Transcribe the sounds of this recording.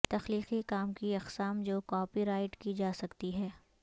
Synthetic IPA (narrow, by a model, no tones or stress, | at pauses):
t̪ɐxliːqikaːmkiɐqsaːmd͡ʒoːkɔːpiɾaːɪʈkid͡ʒaːsɐkt̪iɦɛː